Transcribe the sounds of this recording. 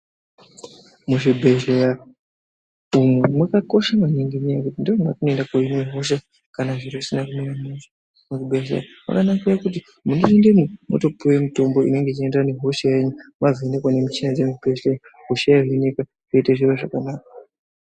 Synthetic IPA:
muʐibʱeʒleja | umwemwakako̞ʃamaneŋɡiɲijakutindoumwatinoendakoineɦo̞ʃ̬a | kanaʐiɾoisinakumiɾamezo | muʐibʱeʒlḛjama̰kanakujakut̬i | munoendememoto̞pʰuwemito̞mbo̞ḭne̞ŋɡet͡ʃiendane̞ɦo̞ʃajeɲumavʱene̞kwanemit͡ʃinad͡zemubʱeʒleja | ɦoʃajaʐenika | ʐ̥eiteʐiraʐakanaːkḁ

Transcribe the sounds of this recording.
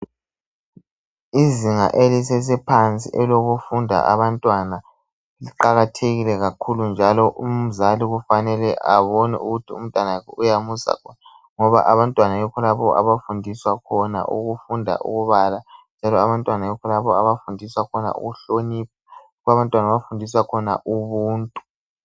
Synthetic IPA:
iziŋa̰ʔelisɛs̬ɛpʰant͡sʼḭʔɛloɣufundʱa̰ʔa̰βantʼwana | liǃaɣatʰeɣilɛɣakʰulund͡ʒʱalɔʔum̩zaliɣufanɛlɛʔaβɔnɛ̰uɣutʰium̩tʼwanaujamusa̰kʰɔna | ŋɔβa̰ʔaβantʼwanajɔkʰɔlaβɔʔa̰βafundʱiswakʰɔna̰ʔuɣufundʱa̰ʔṵɣuβaland͡ʒʱalɔaβantʼwanajɔkʰɔlaβɔaβafundʱiswakʰɔna̰ʔṵɣuɬonip̚ʰa | ɣaβantʼwanaβafundʱiswakʰɔna̰ʔuβuːntʼu̥

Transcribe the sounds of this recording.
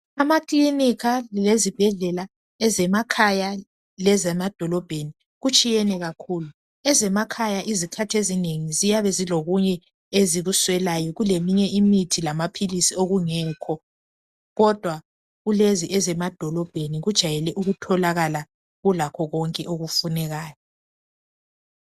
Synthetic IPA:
amaklinikʰalezib̥ʱɛɮɛla | ɛzɛmakʰaja | lɛzɛmad̥ʱɔlɔb̥ʱeni | ɣut͡ʃʼijɛnɛɣakʰulu | ɛzɛmakʰajaʔizikʰatʰezineŋizijaβɛziloɣuɲɛ | eziɣuswɛlajɔɣulemiɲɛʔimitʰilamapʰilisioɣuŋɛːkʰɔ | ɣɔd̥ʱwa | ɣuleziʔɛzɛmad̥ʱɔlɔb̥ʱeniɣud̥ʒ̥ʱajɛlɛʔuɣutʰɔlaɣala | ɣulakʰɔɣɔŋkʼɛʔoɣufunɛɣaːjɔ

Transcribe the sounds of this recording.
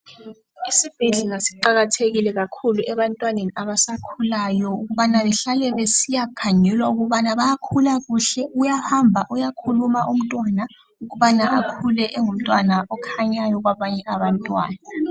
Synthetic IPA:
isib̥ʱeɮiŋasiǃaɣatʰeɣilɛɣakʰuluʔɛβantʼwaneniaβasakʰulajɔuɣuβanaβɛɬalɛβesijakʰaɲɛlwauɣuβanaβajakʰulaɣuɬɛujahambʱaʔujakʰulumaʔum̩tʼwana | uɣuβanaʔakʰulɛʔɛŋum̩tʼwanaʔɔkʰaɲajɔɣwaβaɲɛaβantʼwa̰ːna

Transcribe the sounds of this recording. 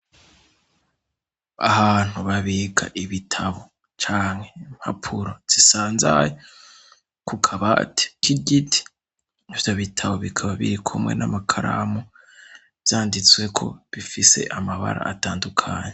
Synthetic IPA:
a̰haːn̥huβaβiɡaʔiβitʰaβo̞ | t͡ʃaːŋhe̞m̥ha̰pʰuɾo̞z̥isaːnza̰je | kukʰaβatʰe̥kiɟitʰi̥ | nivjoβitʰaβo̞βikʰaβaβḭɾikʰumŋe̞̰namakʰaɾaːmo | v̥jaːndit͡swe̞kʰo̞̰βifise̞̰ʔamaβa̰ɾa̰ʔːtaːndukʰaːɲe

